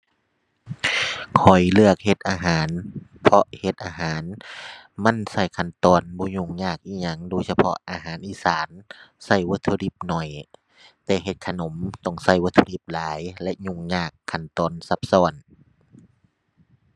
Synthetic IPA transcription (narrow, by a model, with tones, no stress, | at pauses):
kʰɔ˨˩jlɯ˧˩ək̚he˧˦t̪̚ʔaː˧ɦaː˨˦npʰɔ˧ʔhe˧˦t̪̚ʔaː˧ɦaː˨˦n | ma˧˥˨nsa˧˩jkʰa˧˩˨nt̪ɔː˧˨nbɔː˧˦ɲu˧˩ŋɲaː˧˩k̚ʔiː˧˥˩ɲa˧˩˨ŋdoː˧˦jsa˧pʰɔ˧ʔʔaː˧ɦaː˨˦nʔiː˧˥˨saː˨˦nsa˧˩jwo˧˦t̪ʰːo˧li˧˦p̚nɔ˧˩j | t̪ɛː˧˦ɦe˧˦t̪̚kʰa˧˨no˨˦mt̪ɔ˧˩ŋsa˧˩jwo˧t̪ʰːo˧li˧˦p̚laː˨˦jlɛ˧ʔɲu˧˩ŋɲaː˧˩kʰːa˧˩nt̪ɔː˨nsa˧p̚sɔː˧˩˨n